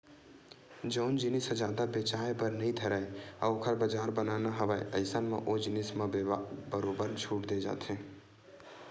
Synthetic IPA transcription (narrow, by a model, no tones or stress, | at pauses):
d͡ʒəʊnd͡ʒɪnɪsəd͡ʒaːd̪abet͡ʃaebəɾnəĩt̪ʰəɾaja̰okʰəɾbəd͡ʒaːɾbənanaɦəbaeəɪsənmeʔod͡ʒɪnɪsmebəɾoːbəɾt͡ʃʰuʈd̪ed͡ʒa̰ːt̪ʰẽ